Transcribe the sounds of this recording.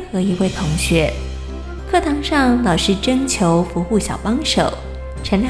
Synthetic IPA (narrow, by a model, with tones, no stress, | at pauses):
xɤ˧˥i˧˥we˥˩ɪt̪ʰʊ˧˥ŋɕɥɛ˧˥ | kʰɤ˥˩t̪ʰɑ˥˧˥ŋʂɑ˥˩ŋlɑ˨˩ʊʂɻ̩˥˩ʈ͡ʂɤ˥ŋt͡ɕʰjo˧˥ʊfu˧˥xu˥˩ɕjɑ˨˩ʊpɑ˥ŋʂo˨˩˦ʊ | ʈ͡ʂʰə˧˥nʰ